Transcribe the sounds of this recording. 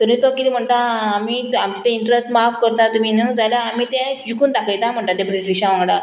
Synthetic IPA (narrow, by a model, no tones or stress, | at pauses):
t̪uɾiːt̪okit̪im̤əɳʈ̪aamiːamt͡ɕi̥t̪ẽiɳʈɾesʈmafkəɾt̪at̪um̤iːnəd͡zaljaːmiːt̪ɛ̃d͡ʑukʰuːnt̪akəjt̪am̤əɳʈ̪at̪ɛ̃pɾiʈɾiɕãʋãŋɡɽa